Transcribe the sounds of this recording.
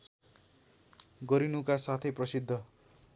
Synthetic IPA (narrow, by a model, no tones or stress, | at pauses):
ɡʌɾinukasat̪ʰʌjprʌsid̪ʱːʌ